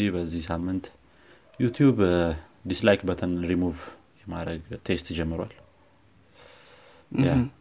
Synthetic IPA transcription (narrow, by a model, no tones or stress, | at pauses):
ihbəzːihsamːɨnt̪ | jut̪ʰjubd̪islajkbət̪ʰənɾimuv | jɛmadɾəɡt̪ʰe̞st̪d͡ʒɛmːɨɾwa̰l | ja